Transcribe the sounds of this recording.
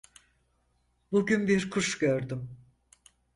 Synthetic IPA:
buɟynbiɾkʰuʃɟøɾd̪ym

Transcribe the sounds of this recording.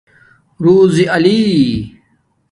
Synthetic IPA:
ɾuːziʔɐli

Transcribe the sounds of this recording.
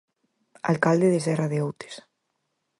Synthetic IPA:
a̰lkald̪eðesɛraðeowt̪e̥s

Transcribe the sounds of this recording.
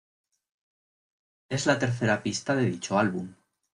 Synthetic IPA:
e̞zlat̪eɾθe̞ɾapist̪aðeðit͡ʃoalβum

